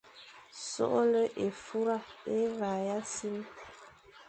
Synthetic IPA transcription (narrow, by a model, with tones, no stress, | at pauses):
so̰˦ʔo˦lə˦ʔe˨fu˦ɾa˦˨e˦va˨ja˦si˦m˦